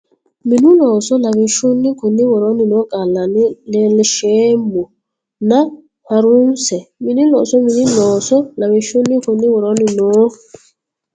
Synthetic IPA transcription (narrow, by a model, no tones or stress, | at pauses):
minulɔsɔlaβiʃunikonɪwɔɾɔnɪnokʼalanɪlɪlɪʃemo | na | haɾʊn̩sɛminilɔsɔminilɔsɔnaβiʃonikonɪwɔɾɔnɪno